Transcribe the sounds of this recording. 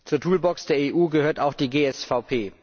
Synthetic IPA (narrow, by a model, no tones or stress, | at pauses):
t͡suːɐtʰuːlbɔksd̥eːɐeːʔuːɡəhøːɐtaʊxd̥iːɡeːɛsfaʊpʰeː